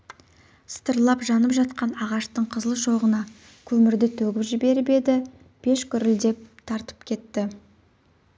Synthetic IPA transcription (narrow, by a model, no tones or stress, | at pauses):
st̪əɾlˠɑpʒɑnəpʒɑt̪̚qɑnɑʁɑʃt̪əɴqʰəzəlˠʃo̞ʁənɑ | kʲʰɵmɪɾd̪ɪt̪ʰɵɡʲɪpʒɪbe̞ɾbe̞d̪ɪ | b̥e̞ʃkʲʰʏɾɪld̪e̞p̚t̪ʰɑɾt̪ə̥p̚kʲʰe̞t̪ːɪ